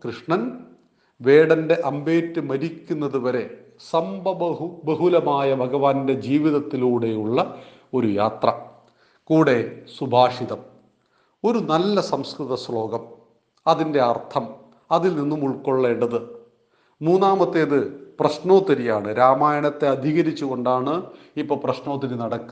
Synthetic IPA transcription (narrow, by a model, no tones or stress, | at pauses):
krɨʂɳɐn | ʋeːɽɐnde̞ʔɐmbe̞ːtːɨmɐɾikʲːunːɐðuʋɐɾe̞ | sɐmbɐɐbɐɦulɐmaːjɐbʱɐɡɐʋaːnde̞d͡ʑiːʋiðɐt̪ːiluːɽe̞juɭːɐ | o̞ɾuja̰ːt̪rɐ̰ | kuːɽe̞subʱaːʂiðɐm | o̞ɾunɐlːɐsɐmskrɨðɐslo̞ːɡɐm | ɐðinde̞ɐrt̪ʰɐm | ɐðilninːumuɭko̞ɭːe̞ːɳɖɐðɨ | muːnːaːmɐt̪ːe̞ːðɨprɐɕno̞ːt̪ːɐɾijaːɳɨɾaːmaːjɐɳɐt̪ːe̞ɐd̪ʱiɣɐɾit͡ɕːuɣo̞ɳɖaːɳɨ | ipːoːprɐɕno̞ːt̪ːɐɾinɐɽɐkːu